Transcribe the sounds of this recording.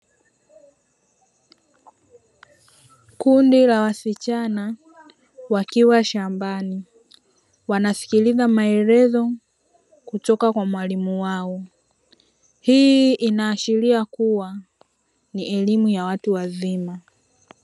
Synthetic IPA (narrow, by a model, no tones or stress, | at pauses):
kundilawasit͡ʃana | wakiwaʃambani | wanasi̥kilizamaɛɾɛzɔ | kutɔkakwamwalimuwaɔ | hiʔinaːʃiɾiakuwa | niʔɛlimujawatuwazima